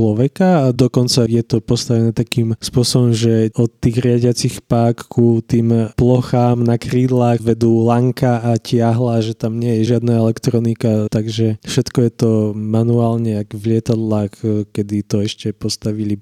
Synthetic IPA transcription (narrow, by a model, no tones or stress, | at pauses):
t͡ʃlɔʋɛkaad̪ɔkɔnt͡sajɛt̪ɔpɔst̪aʋɛnɛt̪akiːmspʊɔsɔbɔmʒɛɔt̪ːiːɣɾɪaɟɪat͡sixpakːut̪iːmplɔxaːmnakɾiːd̪laːxʋɛd̪uːlaŋkaacɪaɦlaʒɛt̪amɲɛjɛʒɪad̪naɛlɛkt̪ɾɔnikat̪aɡʒɛfʃɛt̪kɔjɛt̪ɔmanuaːlɲɛaɡvlɪɛt̪ad̪laːxkɛd̪it̪ɔɛʃcɛpɔst̪aʋili